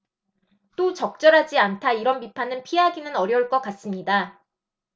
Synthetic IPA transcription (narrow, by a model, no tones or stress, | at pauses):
t͈ot͡ɕʌk̚t͡ɕ͈ʌɾɦad͡ʑiantʰaiɾʌnpipʰanɯnpʰiɦaɡinɯnʌɾjʌuɭk͈ʌk͈as͈ɯmɲida